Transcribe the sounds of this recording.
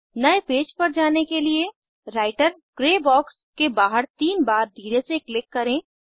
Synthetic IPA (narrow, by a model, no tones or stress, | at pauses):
nɐepeːd͡ʒpɐɾd͡ʒaːnekelie | ɾaːɪʈəɾkɾeːbɔːkskebaːɦəɾt̪iːnbaːɾd̪ʱiːɾeseklɪkːɐɾẽː